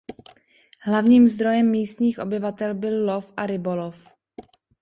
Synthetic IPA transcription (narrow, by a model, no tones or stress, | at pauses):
ɦlavɲiːmzd̪ɾo̞jɛmːiːst̪ɲiːxʔo̞bɪvat̪ɛlbɪlːofʔaɾɪbolof